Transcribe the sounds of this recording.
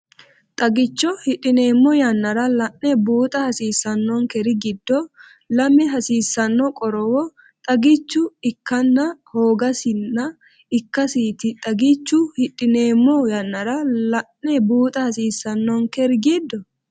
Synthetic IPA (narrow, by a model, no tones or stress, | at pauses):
t̪ʼɐɡɪt͡ʃːɔhɪᶑɪne̞ːmːɔjɐnːɐɾɐlɐʔɛbuːt̪ʼɐhɐsiːsːɐnːɔŋkɛɾɪɡɪd̪ːɔ | lɐmɛɦɐsiːsːɐnːɔkʼɔɾɔwɔ | t̪ʼɐɡɪt͡ʃːʊɪkːɐnːɐhoːɡɐsɪnːɐ | ɪkːɐsiːt̪ɪt̪ʼɐɡɪt͡ʃːʊhɪᶑɪne̞ːmːɔjɐnːɐɾɐlɐʔːɛbuːt̪ʼɐhɐsiːsːɐnːɔŋkɛɾɡid̪ːɔ